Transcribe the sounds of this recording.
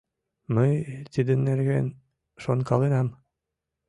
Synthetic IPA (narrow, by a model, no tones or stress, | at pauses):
məjt̪id̪ə̆nːerɣen | ʃonkɑlenɑm